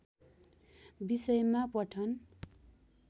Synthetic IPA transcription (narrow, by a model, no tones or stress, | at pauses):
bisʌjmapʌʈʰʌn